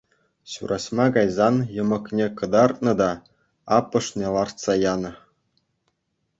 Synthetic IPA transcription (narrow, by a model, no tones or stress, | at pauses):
ɕṵɾʔɑɕmɑkɑjzɑnjɤ̆mɤ̆knʲekɤ̆d̪ɑrt̪̚nɤ̆d̪ɑ | ɑpːɤ̆ʂnʲelˠɑrt̪sɑjɑnɤ̆